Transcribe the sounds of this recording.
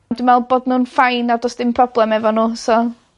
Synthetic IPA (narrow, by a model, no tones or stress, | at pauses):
dɪmɛlˠboːdnuːnfajnadɔsd̥ɪmpʰrɔblˠɛmɛvɔnuːsɔ